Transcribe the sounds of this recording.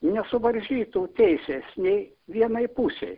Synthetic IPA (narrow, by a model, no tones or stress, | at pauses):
nʲɛsʊʋɐɾʲʒʲiːt̪uːt̪ʲɛɪsʲeːsnʲɛɪ | ʋʲiɛnɐɪpuːsʲɛ̰ɪ